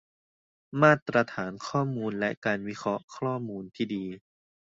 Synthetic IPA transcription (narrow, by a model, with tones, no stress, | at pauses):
maː˥˩t̪ɾa˧t̪ʰaː˩˦nkʰɔː˥˩muː˧nlɛ˦˥ʔkaː˧nwi˦˥kʰɾɔ˦˥ʔkʰɾɔː˥˩muː˧nt̪ʰiː˥˩diː˧